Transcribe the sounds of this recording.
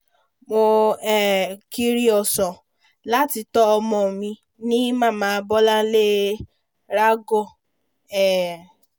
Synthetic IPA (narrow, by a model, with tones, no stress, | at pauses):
mo˧ɛ˨ki˦ɾi˦ɔ˨sɔ˨ | la˦ti˧tɔ˦˧mɔ̃˨mĩ˧ | nĩ˦mã˦˨mãː˨˧bɔ˦la˦le˦ | ɾa˦ɡɔ˦˨ | ɛ˨